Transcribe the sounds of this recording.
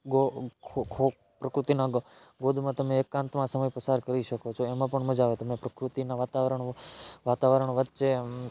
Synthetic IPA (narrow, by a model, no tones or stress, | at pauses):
ɡokʰokʰo | pɾəkɾut̪inaɡ | ɡod̪ʱmãt̪əmeːkːãnt̪mãsəməjpəsaɾkəɾiʃəkot͡ʃʰoemãpəɳməd͡ʒaʋet̪əmepɾəkɾut̪inaʋat̪aʋəɾəɳʋat̪aʋəɾəɳʋətːʃe